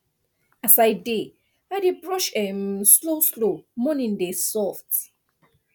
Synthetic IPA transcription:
asaɪde | aɪdebɹɔʃɛmsloslomɔnĩndesɔft

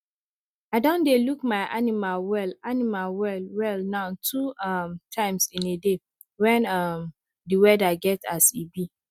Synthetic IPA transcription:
aɪdõndelukmaɪʔanimalwɛlanimalwɛlwɛlnãʊntʰuʌmtʰãɪ̃msĩnede | wɛ̃nʌm | diwɛdaɡɛta̰sibi

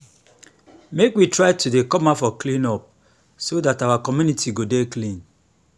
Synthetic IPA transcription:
mekwitɹaɪtudekɔmafɔklĩnɔp̚ | sodatawakɔmjunitiɡodeklĩn

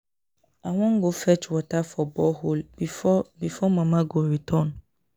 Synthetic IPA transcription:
awɔ̃ŋ̩ɡofɛt͡ʃwɔtʰafɔbɔholbifɔbifɔmãmãɡoɾitʰɔ̃n

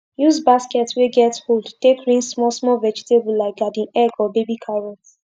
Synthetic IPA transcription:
juzbaskɛtsweɡɛtholdtekɹĩnsmɔsmɔvɛd͡ʒitebulaɪk̚ɡadĩnɛɡɔbebikʰaɹɔt

